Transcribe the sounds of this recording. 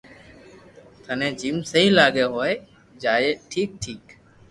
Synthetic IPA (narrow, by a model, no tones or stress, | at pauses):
t̪ʰənẽːd͡ʒiːmsəɦĩːlaːɡeːɦoːe | d͡ʒaːjeːʈʰiːk̚ʈʰiːk